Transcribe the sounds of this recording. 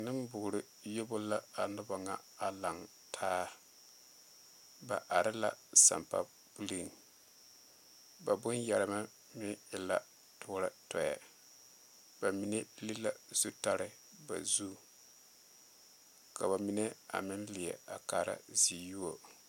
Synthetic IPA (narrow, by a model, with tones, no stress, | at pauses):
nɨ˦mbʊ˨ɡʊ˨ɾɪ˨ | jo˦bʊ˦la˦a˨nʊ˦ba˨ŋa˨a˨la˨ŋ | tʰaː˦ | ba˨ʔa˨ɾɪ˦la˨sa̰˨mpa̰˦ | bu˦li˦˨ŋ˨ | ba˨bʊ˦nja˨ɾɪ˨ma˦ | mɪ˦ɪ˨la˦ | tʰʊː˦ɾa˦tɔ˨ja̰˨ | ba˨mi˨ne˦li˦la˨z̥u˦ta˦ɾɪ˨ | ba̰˨zuː˦ | ka˨ba˨mi˦ne˦a̰˨mɪ˦nlɪ˨ɛ̰˨a̰˨kaː˨ɾa̰˦zi˨ju˦o˨